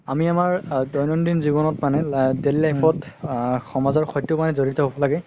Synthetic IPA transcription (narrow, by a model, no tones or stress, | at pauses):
amiamaɹdɔjnɔndinzibɔnɔtmanɛdellajpʰɔtxɔmazɔɹxɔjtːɔmanɛzoɹitɔɦobɔlaɡɛ